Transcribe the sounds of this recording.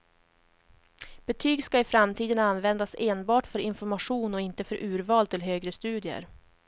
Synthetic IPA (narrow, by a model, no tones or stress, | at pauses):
b̥ɛt̪ʰyːɡskaɪfɾamt̪ʰiːd̪ənanːvɛnd̪aseːnbɑːʈfœɾɪnfɔɾmaɧuːnɔɪnt̪əfœɾʔʉ̟ːɾvɑːlt̪ʰɪlɦøːɡɾəst̪ʉ̟ːd̪ɪə̰ɾ